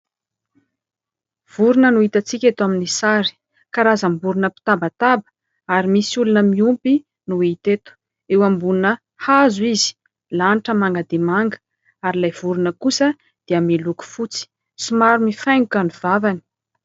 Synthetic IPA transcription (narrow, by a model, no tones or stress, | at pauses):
v̥uɾunənuit̪at͡sikʲat̪aminisaɾi̥ | kaɾazəmbuɾunəpi̥t̪abat̪abə̥ | aɾimisulunəmiumpi | nuit̪et̪u̥ | ewambunə | hazizi̥ | laniʈ͡ʂəmaŋɡad̪emaŋɡə̥ | aɾilajv̥uɾunəkusə | d̪̥iəmiluku̥fut͡si̥ | simaɾumifajŋukanuv̥avani̥